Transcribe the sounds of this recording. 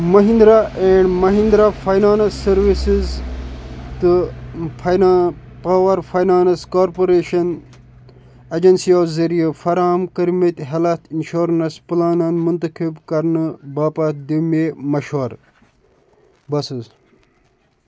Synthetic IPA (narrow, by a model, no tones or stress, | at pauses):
mɐɦind̪ɾaʔeɳɖmɐɦind̪ɾafɐjnaːnɐsːɐɾʋisiz | t̪ɨ | paːwɐɾfɐjnaːnɐskoːɾpoɾeːʃɐn | ɐd͡ʒɐnsioːzɐɾijɐfɐɾaːɐmkɐɾmet̪ɦɐlɐt̪ʰinʃoːɾnɐsplaːnɐnmunt̪ɐkibkɐɾnɨbaːpɐt̪̚d̪imemɐʃoːɾ | bɐsɨz